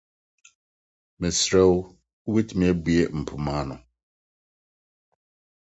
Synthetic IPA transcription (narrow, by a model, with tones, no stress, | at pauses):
mɪ̃˨sɾɛ˦w | u˦be˦tʰi˨mĩ˦ɛ˦bu˦e˦m̩˨pʰʊ˨mãː˦nʊ̃˨